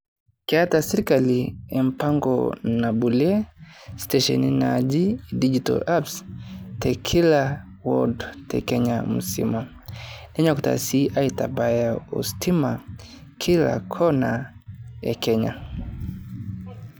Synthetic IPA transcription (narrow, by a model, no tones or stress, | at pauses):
kiatasɛɾikaliɛm̩paŋɡɔ̰nabuliɛstɛʃɛ̰ninad͡ʒidid͡ʒitɔ̰lapstɛkʰila | wɔ̰dtɛ̰kɛɲam̩sḭma | ɛɲakuta̰siʔaitabajaṵstʰimakʰila̰kʰɔnaja̰kɛɲa̰